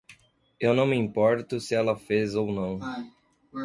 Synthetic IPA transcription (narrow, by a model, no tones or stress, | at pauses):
ewnɐ̃w̃mĩmpɔɾt̪ʊsɪɛlɐfezownɐ̃w̃